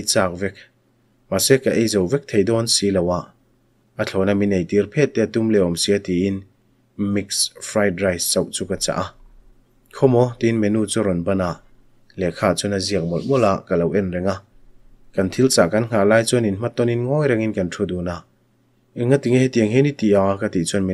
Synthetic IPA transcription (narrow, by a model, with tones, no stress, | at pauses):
ejt͡saː˧k̚vɛ˧k̚ | ma˨sɛ˦ka˨ʔe˦jzɔ˨wvɛ˦k̚t̪ʰe˨jd̪ɔ˦nsi˦lɐ˨wa˧˨ʔ | ɐ˧t͡ɬʰɔ˨na˧mi˨ne˨jt̪i˨˦rpʰɛ˦ʔ̚t̪ːɛ˦t̪u˦mlɛ˨ɔ˨msi˨a˦t̪i˨i˦n | mi˧ksfʰɾa˧jdra˧jst͡sɐ˨wʔt͡su˧kɐ˧t͡sa̰˨ʔa˧ | kʰɔ˦mɔ˦t̪i˧˦nmɛ˨nu˧˨t͡su˧ɾɔ˨nbɐ˧na˨ʔ | lɛ˨kʰaː˧t͡su˦nɐ˧zi˧ək̚mɔ˨l̚mɔ˦la˨ʔkɐ˨lɐ˨wʔɛ˧nɾɛ˨ŋa˧ | kɐ˨nt̪ʰi˦lt͡sa˨kɐ˦nŋ̥a˨laː˧jt͡sɔ˦ni˨nma˦t̪ːɔ˦ni˧nŋɔ˦jɾa˧ŋi˦nkɐ˨ntʰu˧˨d̪u˨na˧˨ | i˨ŋa˦t̪i˨ŋhɛt̪i˧əŋɦi˦ni˦t̪i˨a˨˧kɐ˧t̪i˨t͡sɔ˦nmi˧